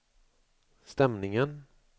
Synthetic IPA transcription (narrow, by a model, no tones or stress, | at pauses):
st̪ɛmnɪŋən